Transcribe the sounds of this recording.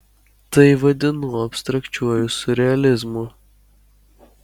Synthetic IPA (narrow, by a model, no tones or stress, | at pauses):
t̪ɐɪʋɐd̪ʲɪnuːɐpʲst̪ɾɐkt͡ʃʲuɔjʊsʊɾʲɛɐlʲɪzmʊ